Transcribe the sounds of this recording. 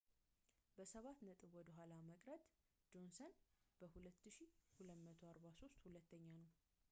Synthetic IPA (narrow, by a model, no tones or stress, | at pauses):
bəsəβat̪nət̪ʼɨβwɔd̪əɦʷalaməkʼɾət̪ʼ | d͡ʒo̞nsənb̥əhulət̪ːɨʃihulət̪mət̪ʰoaɾbaso̞st̪hulət̪ʰːəɲːanəw